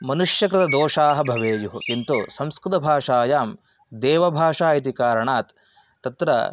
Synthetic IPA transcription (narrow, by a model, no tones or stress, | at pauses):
mɐnuʂjɐkɾɪt̪ɐd̪oːʂaːɦɐbʱɐʋeːjuɦukint̪usɐmskɾɪt̪ɐbʱaːʂaːjaːm | d̪eːʋɐbʱaːʂaːjit̪̬ikaːɾɐɳaːt̪ː | ɐt̪ɾɐ̰